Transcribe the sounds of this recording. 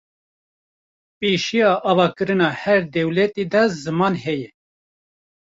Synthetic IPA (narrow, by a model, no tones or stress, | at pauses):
peːʃijɑːʔɑːvɑːkɨɾɨnɑːhɛɾd̪ɛwlɛt̪iːd̪ɑzɨmɑːnhɛjɛ